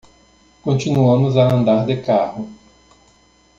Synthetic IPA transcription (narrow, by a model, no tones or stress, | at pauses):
kõt͡ʃinuɐ̃mʊzɐɐ̃nd̪aɾd̪ekahʊ